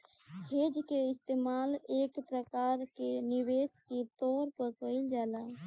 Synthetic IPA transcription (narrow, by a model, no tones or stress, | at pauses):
hed͡ʒkeɪst̪eːmalekpɾəkaɾkeniwesket̪ɔɾpəɾkəɪld͡ʒaːla